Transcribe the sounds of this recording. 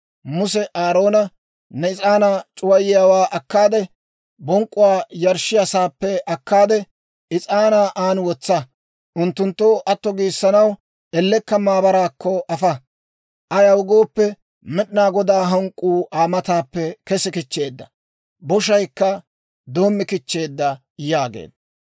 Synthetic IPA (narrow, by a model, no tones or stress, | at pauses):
mʊsɛʔaːɾo̞ːnɐ | nɛɪt͡sʼaːnat͡ʃʼʊwɐjɪjaːwaːʔɐkːaːd̪ɛ | bɔŋkʼːʊwaːjɐɾʃɪjɐsaːpːɛʔɐkːaːd̪ɛ | ʔɪt͡sʼaːnaːʔaːnwɔt͡sːɐ | ʔʊnt̪ːʊnt̪ːoʔɐt̪ːɔɡiːsːɐnɐw | ʔɛlːɛkːɐmaːbɐɾaːkːɔʔɐfɐ | ʔɐjɐwʊɡoːpːɛ | mɛɗnaːɡɔd̪aːɦɐŋkʼːuːʔaːmɐt̪aːpːɛkɛsɪkɪt͡ʃːe̞ːd̪ːɐ | bɔʃɐjkːɐ | d̪o̞ːmːɪkɪt͡ʃːe̞ːd̪ːɐ | jaːɡḛːd̪